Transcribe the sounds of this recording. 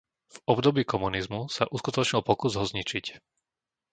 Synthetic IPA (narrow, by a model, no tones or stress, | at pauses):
vɔbd̪ɔbiːkɔmunizmusaʔuskut̪ɔt͡ʃɲilˠpɔkuzɦɔzɲit͡ʃic